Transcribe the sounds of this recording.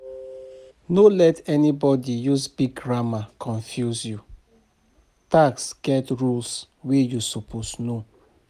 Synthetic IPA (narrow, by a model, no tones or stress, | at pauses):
nolɛtɛnibɔdijusbiɡɹamakʰɔ̃ɱfjuzju | taksɡ̥ɛtɹuls | wejusopʰosno